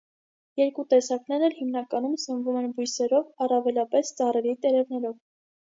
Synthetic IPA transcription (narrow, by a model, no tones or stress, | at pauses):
jɛɾkut̪ɛsɑknɛɾnɛlhimnɑkɑnumsənvumɛnbujsɛɾɔvɑrɑvɛlɑpɛst͡sɑrɛɾit̪ɛɾɛvnɛɾɔv